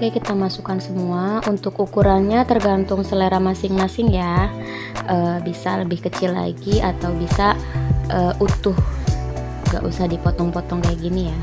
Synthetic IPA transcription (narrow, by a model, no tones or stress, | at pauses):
kajkit̪amasukansəmuaunt̪ʊkukuɾanɲat̪ərɡant̪ʊŋsəleɾamasɪŋmasɪŋja | ʔəːbisaləbɪhkət͡ʃɪlːa̰ɡiat̪awbisaʔəːʔut̪ʊh | ŋɡa̰ʔusaɦadipɔt̪ɔŋpɔt̪ɔŋkajaɡinija